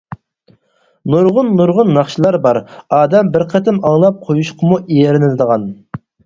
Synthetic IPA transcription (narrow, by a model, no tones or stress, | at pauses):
nuɾʁʊnːuɾʁʊnːɑχʃilˠɑɾbɑɾɑːd̪ɛmbɪɾqʰɛt̪ʰɪmɑŋlˠɑp̚qʰojuʃqʰəmuʔijeɾɪnɪlɪd̪əʁɑn